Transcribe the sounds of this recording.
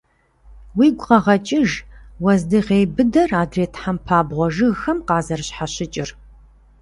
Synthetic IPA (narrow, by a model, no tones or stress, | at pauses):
wiːɡʷʊqɐʁɐt͡ʃʼɪʒwɐzdɨʁeːbɨdɐraːdreːtʰħampʰaːbʁʷɔʒɨɣxɐmqɑːzɐrɕħaɕɪt͡ʃʼɪr